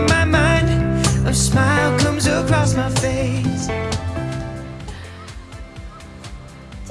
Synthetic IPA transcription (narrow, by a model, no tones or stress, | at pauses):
maɪmãɪ̃ndʌsmaɪlˠkʰʌ̃mzəkʰɹ̥ɔsmaɪfeɪs